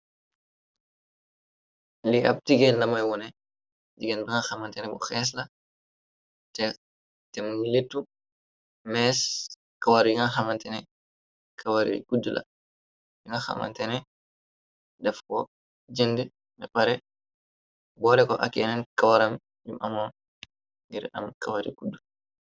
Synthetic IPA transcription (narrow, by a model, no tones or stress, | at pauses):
liʔɐ̰p̚tiɡɛnlɐmɐjwɔnɛ | d͡ʒiɡɛnbiŋaxɐmɐntɛnɛbɔxɛːs̬lɐ | tɛ | tɛmuŋiletːu | mɛːs | kɐwaɾjuŋɡaxɐmɐntɛnɛ | kʰawaɾḭɡudːulʔa̰ | juŋɡaxa̰ma̰ntɛnɛ | dɛfkɔ | d͡ʒendə | nɛpaɾɛ | bɔɾɛkɔʔa̰kːɛnɛnkawaɾam | jumʔamɔ | ŋɡiɾa̰mkawaɾḭɡudːu